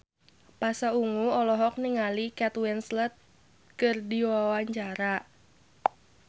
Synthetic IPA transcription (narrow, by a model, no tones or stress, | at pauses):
pasauŋuɔlɔɦɔk̚niŋalikɛt̪wɛnslət̪̚ | kərdiwawaɲt͡ʃaɾa